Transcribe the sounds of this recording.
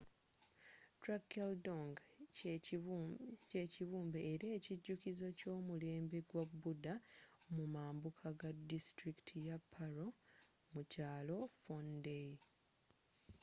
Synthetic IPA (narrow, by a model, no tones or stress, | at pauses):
tɾakːeldoŋɡ | eciβuːmbe̞ːɾe̞ːciɟːukizo̞co̞ːmule̞ːmbe̞ɡwabːudamumaːmbukʰaɡadːistɾiki̥tʰijapʰːaɾo̞ | mucaːlo̞fonde